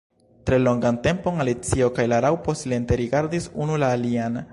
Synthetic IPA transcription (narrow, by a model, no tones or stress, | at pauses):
tɾe̞lo̞ŋɡante̞mpo̞ŋalit͡sio̞kajlaɾawpo̞sile̞nte̞ɾiɡaɾdisunulaːlian